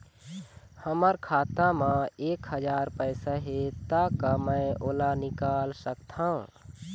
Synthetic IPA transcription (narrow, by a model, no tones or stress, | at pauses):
həməɾkʰaːt̪amãeːkɦəd͡ʒaːɾpəjsaɦet̪akamə̃ɪoːlanɪkaːlsəkt̪ʰãũ